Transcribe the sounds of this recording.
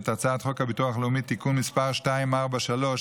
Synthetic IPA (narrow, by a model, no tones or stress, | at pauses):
t̪at͡saːt̪χo̞khabituaχleumit̪ikunmispaʁʃtaimaʁbaʃalo̞ʃ